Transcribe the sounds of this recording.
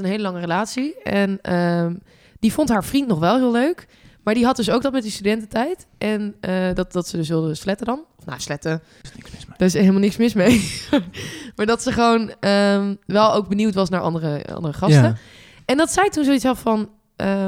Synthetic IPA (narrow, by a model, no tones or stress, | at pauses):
ənɦejləlɑŋərəlaːtsiɛnəm | difontɦaːɹv̥rintnɔχʋɛlˠɦɪːlˠløɥk | maːɹdiɦɑt̚dɵs̬owɡ̚dɑtmɛt̚distydɛntətɛjtʔɛnədɑt̚dɑtsədɵsʋɪlˠdəslɛtədɑnɔfna̰slɛtə | d̥aɪselmalnɪksmɪsmej | maːɹdɑtsəχəʋownəʋɛlˠowɡ̚bəniwtʋɑsnaːɹʔɑ̰ndərəɑ̰ndərəχɑstə | ɛndɑtsɛjtunsowitsɦɑtfɑn | ə